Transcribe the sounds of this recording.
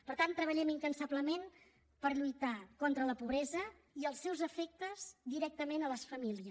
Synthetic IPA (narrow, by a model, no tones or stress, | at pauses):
pəɾt̪ant̪ɾəβəʎɛmiŋkənsabləmen | pəɾʎujt̪akɔnt̪ɾələpuβɾɛzə | iəlˠsɛwzəfɛk̚t̪əz̥d̪iɾɛk̚t̪əmenələsfəmiliə